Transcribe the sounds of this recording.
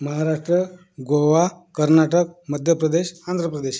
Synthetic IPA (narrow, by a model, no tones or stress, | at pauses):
məɦaɾaʂʈɾə | ɡoʋakəɾnaʈək̚məd̪ʱjəpɾəd̪eɕand̪ʱɾəpɾəd̪eɕ